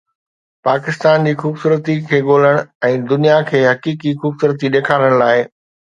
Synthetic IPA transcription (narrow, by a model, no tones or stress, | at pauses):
paːkɪst̪aːnd͡ʑiːxuːbsuːɾət̪ikʰeːɠoːl̤əɽ̃ɛ̃ːd̪ʊnijakʰeːɦɐkiːkixuːbsuːɾət̪̬iɗeːkʰaːɾəɽ̃laːɪ